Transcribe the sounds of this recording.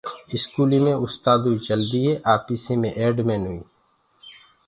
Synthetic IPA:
ɪskuːlimẽʊst̪aːd̪ɦuit͡ʃəld̪iɦeʔaːpiːsẽmẽʔeːɖmẽːnɦʊiː

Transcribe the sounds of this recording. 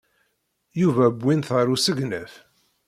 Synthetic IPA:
juvæbʷːinθəɾˤusəɡnæf

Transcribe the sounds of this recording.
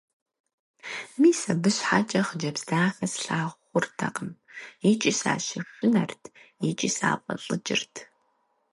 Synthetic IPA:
miːsɐbɨɕħat͡ʃʼɐχd͡ʒɐbzdaːfɐsɬaːʁʷχʷʊrtʰɐ̰qəmit͡ʃʼisa̰ːʃɪɕʊnɐrtʰit͡ʃʼisa̰ːqʼɐ̰ɬʼɨd͡ʒɪ̰rtʰ

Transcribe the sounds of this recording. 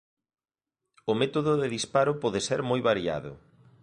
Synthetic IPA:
ʊmet̪oðʊðɪðispaɾʊpɔðɪseɾmojβaɾia̰ðʊ̰

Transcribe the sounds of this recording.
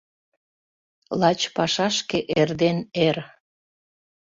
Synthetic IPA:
lɑt͡ɕpɑʃɑʃkeʔerd̪ener

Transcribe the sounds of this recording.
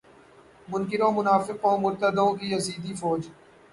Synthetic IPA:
mʊ̃nkɪɾõːmʊnaːfɪqõːmʊɾt̪əd̪õːk̬iɐziːd̪ifɔːd͡ʒ

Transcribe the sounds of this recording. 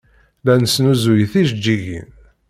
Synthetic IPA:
lænsnuzujiθiʃd͡ʒːiʝḭn

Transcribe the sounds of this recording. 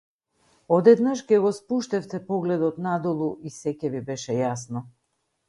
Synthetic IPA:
ɔd̪ɛd̪naʃkɛɡɔspuʃt̪ɛft̪ɛpɔɡlɛd̪ɔt̪nad̪ɔlˠuʔisɛcɛvibɛʃɛjasnɔ

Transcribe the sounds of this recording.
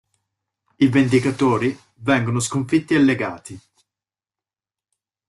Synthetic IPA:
ivend̪ikat̪oːɾi | vɛŋɡonos̬koɱfit̪ːialːeɡaːt̪i

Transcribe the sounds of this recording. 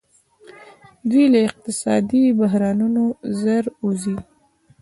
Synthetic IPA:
d̪wilaɪq̚t̪ɪsɑd̪ibaɦɾɑnunozaɾuzi

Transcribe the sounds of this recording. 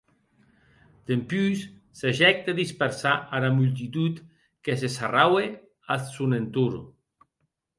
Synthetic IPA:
d̪̥empysː | aʒɛk̚t̪aðispeɾsaʔaɾamult̪̬it̪ut̪ | kes̬esarawe | alsunent̪uɾ

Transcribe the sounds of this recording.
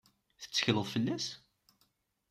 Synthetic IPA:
θə̥t͡sːə̥çləðˤfəlːæs

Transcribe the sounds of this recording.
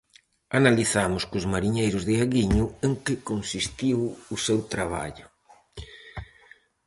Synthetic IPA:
analiθamʊskʊzmaɾiɲejɾʊzðɪaɣiɲʊeŋkɪkonsist̪iwʊsewt̪ɾaβ̞a̰ʎʊ

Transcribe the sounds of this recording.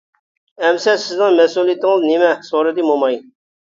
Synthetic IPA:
ɛmsɛsɪznɪŋmɛsulˠijit̪ːɪŋəznemɛsoɾɨd̪ɨmomɑj

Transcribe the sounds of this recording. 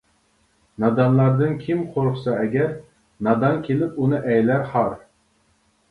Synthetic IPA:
nɑd̪ɑnlˠɑɾd̪ɨnkʲʰimqʰoɾqsɑɛɡʲɛɾ | nɑd̪ɑnkʲʰelɪpunɨʔɛjlæɾhɑɾ

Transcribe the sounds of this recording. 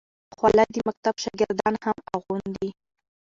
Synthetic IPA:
xwalajd̪əmak̚t̪abʃaɡɪɾd̪ɑnhamaɣund̪i

